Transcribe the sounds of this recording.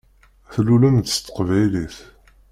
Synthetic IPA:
θlulæmt̪ːə̥st̪ːə̥qvæjliθ

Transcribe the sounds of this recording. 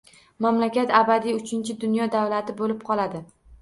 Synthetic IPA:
mamlakʲat̪abad̪ijʊt͡ʃʰɪnt͡ʃʰɪd̪ʊnjɒd̪avwlat̪ɪbolɪp̚qʰɒlad̪ɪ

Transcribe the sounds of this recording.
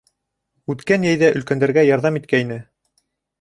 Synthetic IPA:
ʉt̪kænjæjðæʔɵ̆lkænd̪æɾɡæjɑɾðɑmit̪̚kæinɘ

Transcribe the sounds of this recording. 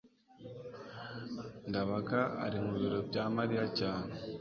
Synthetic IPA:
ŋɡaβakaa̰ɾimuβiɾobɟamaɾijacaːne

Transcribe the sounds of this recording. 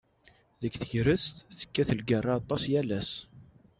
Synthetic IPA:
ðəkθəʝɾəst̪θə̥kːæθəlɡərˤːaɑt̪ˤːɑsjælæs

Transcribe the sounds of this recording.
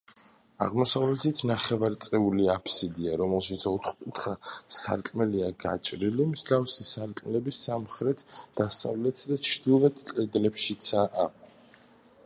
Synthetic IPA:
a̰ʁmɔsavlɛt̪ʰit̪ʰnaχɛvaɾt̪sʼɛuliapʰsid̪iaɾɔmɛlˠʃit̪sʰɔt̪ʰχkʼut̪ʰχasa̰ɾkʼmɛliaɡa̰t͡ʃʼɾilimzɡafsisaɾkʼmlɛbisamχɾɛt̪ʰd̪̥asa̰vlɛt̪ʰsd̪at͡ʃʰɾd̪̥ivɛt̪ʰkʼɛd̪lɛpʃit̪sʰaʔː

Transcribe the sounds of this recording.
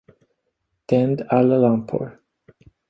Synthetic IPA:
d̪̥ɛnd̪aləlampʰo̰ɹ

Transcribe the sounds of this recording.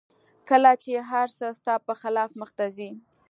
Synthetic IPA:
kəlat͡ʃeɦaɾsəst̪ɑpəxɪlɑfməxt̪azi

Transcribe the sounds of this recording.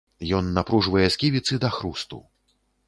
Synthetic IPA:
jɔnːapɾuʐvɐjɛsʲkʲivʲit̪sɨd̪ɐxɾust̪ṵ

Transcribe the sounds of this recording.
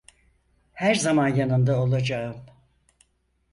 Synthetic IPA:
hæɾzamanjanɯnd̪ao̞lˠad͡ʒaɯm

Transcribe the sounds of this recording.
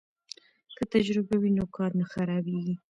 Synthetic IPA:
kət̪ad͡ʒɾɪbawinokɑɾnaxaɾɑbeɡi

